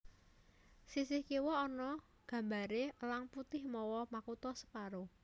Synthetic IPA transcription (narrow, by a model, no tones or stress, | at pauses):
sisɪhkewɔːnɔ | ɡ̥ä̤mbaɾeəlaŋput̪ɪhmɔwɔmakut̪ɔsə̥paɾo